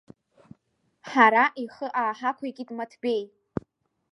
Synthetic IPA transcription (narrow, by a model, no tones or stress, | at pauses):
ħaɾaʔiχəʔaːħakʷʰaikʲʼitʼmatʰbe̞j